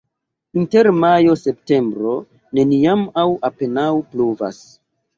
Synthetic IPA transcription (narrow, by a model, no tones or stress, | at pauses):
inte̞ɾmajo̞se̞p̚te̞mbɾo̞ | ne̞niamawʔape̞nawpluva̰s